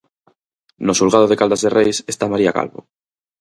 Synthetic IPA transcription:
nosulɣað̞oð̞ekald̪azðerʔejsest̪amaɾiaka̰lβo̰

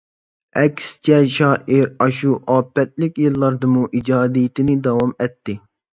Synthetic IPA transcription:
ɛkʲst͡ʃʰɛʃɑːʔiɾɑʃuʔɑːpːɛt̪̚lɪkʲjilˠːɑɾd̪ɨmuʔid͡ʒɑːd̪ijt̪ʰɪnɪd̪ɑwɑmɛt̪ʰːɪ

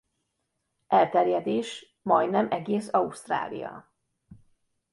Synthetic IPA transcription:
ɛlt̪ɛrjɛd̪eːʃ | mɒjnɛmʔɛɡeːsɒust̪ra̰ːlḭjɒ̰

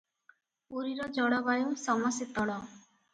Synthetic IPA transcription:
uɾiɾɔd͡ʒɔɽɔbajusɔmɔsit̪ɔɽɔ

